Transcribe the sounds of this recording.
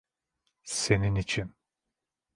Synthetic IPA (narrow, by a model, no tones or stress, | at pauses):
se̞ninit͡ʃʰin